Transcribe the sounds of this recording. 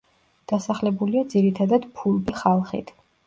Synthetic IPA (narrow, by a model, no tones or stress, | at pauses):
d̪̥asaχlɛbuliad̪ziɾit̪ʰad̪ad̪̥pʰulˠbiχalˠχḭt̪ʰ